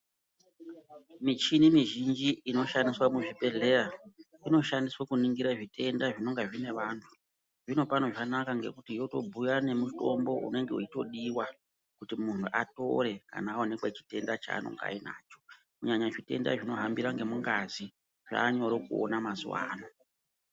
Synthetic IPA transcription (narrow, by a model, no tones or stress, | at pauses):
mit͡ʃinimiʒind͡ʒiːno̞ʃandiswamuʐipe̞ɮeraino̞ʃandiswakuniŋɡiɾaʐitʰe̞ndaʐino̞ŋɡaʐine̞ʋaːntʰu̥ | ʐino̞pano̞ʐanakaŋɡe̞̰kutijo̞to̞̰bʱujane̞muto̞mbo̞ṵne̞ŋɡeuito̞ɗiwa | kutimun̤uʔato̞̰ɾe̞ka̰naːonekwat͡ʃi̥te̞ndat͡ʃa̰ːno̰ŋɡa̰ina̰ːt͡ʃo̞̥ | kuɲaɲaʐite̞̰nda̰ʐino̞ɦambiɾaŋɡe̞muŋɡazi | ʐ̥a̰ːɲo̞ɾokuo̰namazṵwa̰ːno